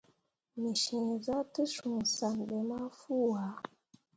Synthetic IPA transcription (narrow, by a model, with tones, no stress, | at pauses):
mi˨ʃĩ˨za˦tə˦ʃu˨ŋ˨sa˨nɓɛ˨ma˦fu˦wa˨˦